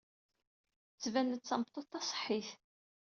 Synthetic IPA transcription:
t͡sːvænət͡sːɑmət̪ˤːot̪ːɑsˤħːiθ

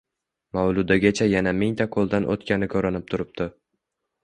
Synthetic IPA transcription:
mawlˠʊd̪aɡʲat͡ʃʰajanamɪŋt̪ʰaqʰolˠd̪anʔo̰t̪kʲʰanɪkʰɵɾanɪp̚t̪ʰʊɾɪp̚t̪ɪ

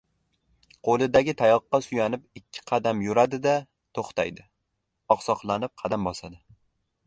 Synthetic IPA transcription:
qʰolˠɪd̪aɡʲɪt̪ʰajɒqːɑsʊjanɪp̚ɪkʲʰːɪ̥qʰɑd̪amjʊɾad̪ɪd̪a | t̪ʰoχt̪ʰajd̪ɪ | ɒqsɒqlˠanɪp̚qʰɑd̪ambɒsad̪ɪ

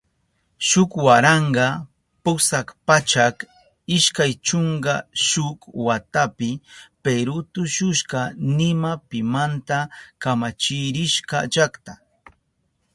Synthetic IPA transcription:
ʃʊkwaɾɑɴɢɑ | pʊsakpat͡ʃak | ɪʃkajt͡ʃoɴɢɑʃʊkwat̪apɪpeɾʊt̪ʊʃʊʃɢɑnɪmapɪmant̪akamat͡ʃɪɾɪʃɢɑ̰ʒakt̪a

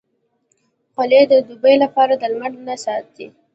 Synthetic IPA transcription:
qʊled̪əd̪ubəjlapɑɾad̪əlmaɳɖnasɑt̪̚d̪i

